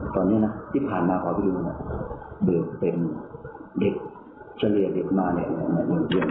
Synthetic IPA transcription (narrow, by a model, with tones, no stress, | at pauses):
t̪ɔː˧nːi˦˥˨na˦˥t̪ʰiː˥˩pʰaː˨˩nmaː˧kʰwaː˧p̪ʰiː˧˥˩duː˧ni˧˩bɯ˨˩k̚pe˧n | de˨˩k̚ | sʰa˧li˨˩əde˨˩k̚maː˧ni˧˩˨ʔa˧˩˨ma˧˨jo˧˩˨jn